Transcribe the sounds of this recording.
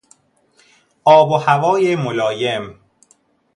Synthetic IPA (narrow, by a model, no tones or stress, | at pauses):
ʔɒːbohævɒːjemolɒːjem